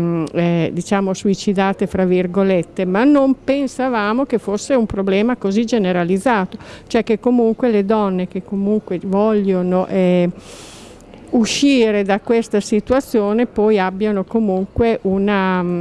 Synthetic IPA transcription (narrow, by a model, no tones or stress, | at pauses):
d̪it͡ʃaːmosuit͡ʃid̪aːt̪efɾavːiɾɡolet̪ːemanːompensavaːmokefosːeumpɾoblɛːmakozid͡ʒeneɾalid̪zːaːt̪ot͡ʃoɛkːekːomuŋkweled̪ɔnːekekːomuŋkwevɔʎːonoʔɛ | uʃiːɾed̪akwest̪asit̪uat̪sːjoːnepɔjabːjanokomuŋkweʔuna